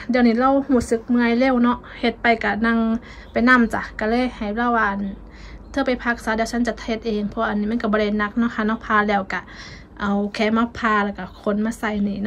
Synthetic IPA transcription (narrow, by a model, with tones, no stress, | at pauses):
di˧˨əwniː˧˩˨la˧˥˨whuː˧˩sɯ˧˦k̚mɯ˧ə˨jle˧˥˨wnɔ˧ʔ | he˧˩t̪̚pa˨jka˧˩na˧˥˨ŋ | pa˨˩jna˧˥˨mt͡ɕa˧˩ka˧˩lɤː˧˥˨jha˨˩jaː˧˥˨waː˧˩ʔa˧˨n | t̪ʰɤː˧˨pa˨˩jpʰa˧˩k̚saː˨˦di˧˨wsʰa˧˥˨nt͡ɕa˧˩t̪ʰhe˧t̪̚ʔeː˨ŋpʰɔ˧a˧ʔnːiː˧˩m˧˥˨ka˧˩bɔː˧˨da˧˨na˧˥k̚nɔ˧˥˨kʰa˧˨nɔ˧˩˨pʰaː˧lɛː˧˩wka˧˩ | ʔa˨˩wkʰɛː˧˥ma˧˩pʰaː˧la˧˩wka˧˩kʰo˧˥˨nmaː˧˨sa˧˩jniː˧˩˨n˧